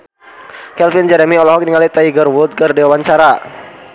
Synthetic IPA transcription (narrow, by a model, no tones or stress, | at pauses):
kɛlfind͡ʒɛɾɛmiɔlɔɦɔk̚niŋalit̪aiɡərwut̪̚kərdɛwawaɲt͡ʃaɾa